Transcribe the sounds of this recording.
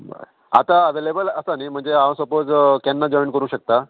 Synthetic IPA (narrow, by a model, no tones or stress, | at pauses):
ba̰ | a̰t̪aəʋelebələsanim̤əɳd͡zeãsəpod͡zkanːad͡ʑɔinkəɾũːɕək̚t̪a